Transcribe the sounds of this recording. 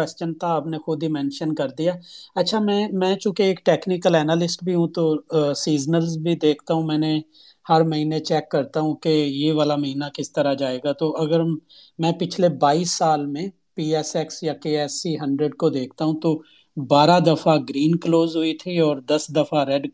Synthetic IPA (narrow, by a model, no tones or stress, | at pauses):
wɛːst͡ʃənt̪ʰaɐpnexʊd̪ʱimɛ̃ːnʃənkɐɾd̪ijaːɐtːʃʰamɛ̃ːmɛ̃ːt͡ʃũːkeeːkʈeːknɪkəlɛːnaːlɪsʈbʱiɦũt̪osiːd͡ʒnəlzbʱid̪eːkʰt̪aɦũmɛ̃ːnẽ | hɐɾmɐɦiːnet͡ʃɛːkːɐɾt̪aɦũkejeʋaːlamɐɦiːnakɪst̪əɾad͡ʒaːeːɡat̪oʔɐɡəɾmɛ̃ːpɪt͡ʃʰlebaːiːsːaːlmẽ | piːɛːsɛksjakeːɛːsiɦɐ̃ɳɖɾəɖ̚kod̪eːkʰt̪aɦũt̪o | baːɾad̪ɐfʰaɡɾiːnkloːzɦʊit̪ʰiɔːɾd̪ɐsd̪ɐfaɾɛɖ